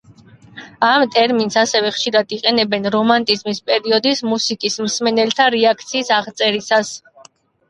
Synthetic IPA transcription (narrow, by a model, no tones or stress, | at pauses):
amt̪ʼɛɾminsasɛvɛχʃiɾad̪iqʼɛnɛbɛnɾɔmant̪ʼizmispʼɛɾiɔd̪ismusikʼismsmɛnɛlt̪ʰaɾɛakʰt̪sʰiːsaʁt̪sʼɛɾisas